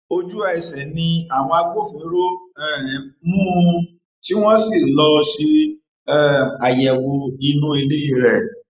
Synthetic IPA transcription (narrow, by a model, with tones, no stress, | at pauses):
o˧d͡ʒu˦a˧˨i˨sɛ˨nĩ˧a˦˨w̃ɔ̃˧a˧ɡ͡bo˦˨fĩ˨˦ɾo˦ɛ˦˨mũ˦ | ti˦w̃ɔ̃˦si˦˨lɔ˧ʃe˧ | ɛ˦˨a˨jɛ˨wo˧i˧˦nũ˦e˧le˦i˦˧˨ɾɛ˦˨